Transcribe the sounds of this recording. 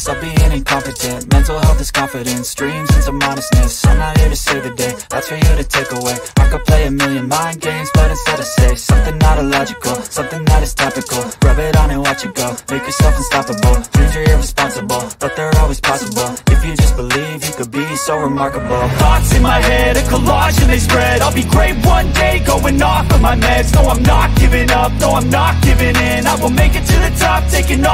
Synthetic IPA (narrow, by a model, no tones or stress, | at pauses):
sʌbiɪ̃nɨ̃kʰɑ̃ɱfədɨ̃nmɛ̃ntˡl̩ˠhɛlˠðɨskʰʌ̃ɱfəɾɨ̃nstɹ̥ĩmzɨ̃nsəmɑ̃nɨsnɨsɨ̰̃naɪɛvə˞seɪðɨdeɪðætswə̃jɨʌɾɨtʰeɪkəweɪaɪkɨd̚pʰl̥eɪɨmɪlˠjɨ̃nmãɪ̃nɡẽɪ̃mzbʌɾɨ̃tsɛɾɨseɪsʌ̃mθɪ̃ŋnəɾəlɑd͡ʒɨkl̩ˠsʌ̃mθɪ̃ŋðəɾɨz̥tʰɛpɨkl̩ˠɡ̥ɹʌbɪɾn̩ɨwɑt͡ʃɨkl̩meɪkjə˞sɛlˠfn̩stɑpəbl̩ˠʰʉzə˞ɪɹɨspɑ̃nsəbl̩ˠb̥ʌt̪̚ðə˞ɔlˠwiz̥pʰɑsəbl̩ˠɨfjɨd͡ʒʌsb̥əlivjɨkɨd̚bisoʊɹɨmɑɹkəbl̩ˠɑtsɨ̃nmaɪhɛɾɨkʰəlɑʃɨ̃n̩ispɹɛɾaɪlˠbiɡɹeɪt̚wʌ̃ndeɪɡoʊwɨ̃nɔfʌ̃maɪmɛɡsoʊãɪ̃mnət̚ɡ̥ɪvɪ̃ŋʌp̚soʊãɪ̃mnət̚ɡ̥ɪvɪ̃ŋɪ̃naɪwəlˠmeɪkɨtʰɨðɨtʰʌp̚tʰeɪkɪ̃ŋ